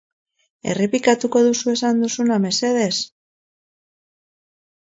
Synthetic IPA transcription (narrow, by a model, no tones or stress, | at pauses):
e̞̰repikat̪uko̞ðusue̞sand̪usuname̞se̞ðe̞s